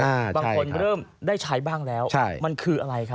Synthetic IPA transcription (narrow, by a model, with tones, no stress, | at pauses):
aː˧baː˧a˥ŋ˥kʰo˧nɾɤː˥˩mdaː˥˩jt͡ɕʰa˦˥jbaː˥˩ŋlɛː˦˥wt͡ɕʰa˥˩jma˧nkʰɯː˧ʔa˧ɾa˧jkʰa˦˥